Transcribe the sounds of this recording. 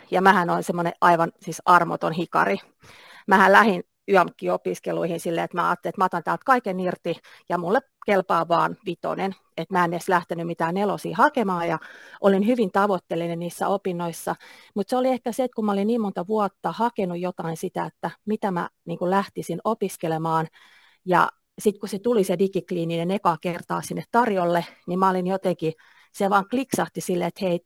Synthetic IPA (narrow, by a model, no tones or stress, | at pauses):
jɑmæhænoinsemːonḛʔɑiʋɑnsiːsɑrmo̰t̪onhikɑ̰ri | mæhællæhin | yɑmukːiopiskeluihinsilːeet̪mæɑ̰ːt̪ːelet̪mɑt̪ɑnt̪æːlt̪̚kɑikenirt̪i | jɑmulːe | kelpɑːʋʋɑːnʋit̪o̰nen | et̪mæenːeslæht̪enymmit̪æːnelosḭːhɑkemɑːjɑʔolinhyʋint̪ɑʋot̪ːelːinenniːsːæ̰opinːoisːɑmut̪seoliehkæseet̪kumæolinniːmmont̪ɑʋuɑt̪ːɑhɑkenujjot̪ɑinsit̪æet̪ːæmit̪æmæ̰niːŋkulæht̪isinopiskelemɑːn | jɑ̰ | sit̪kuset̪ulisedikikliːninenekɑkert̪ɑ̰ːsinːet̪t̪ɑrjolːenimæolinjot̪eŋki | seʋɑːŋkliksɑht̪isilːeet̪heit̪